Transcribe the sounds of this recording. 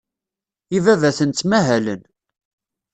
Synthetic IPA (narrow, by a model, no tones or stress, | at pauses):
ivævæθənt̪ːmæɦælən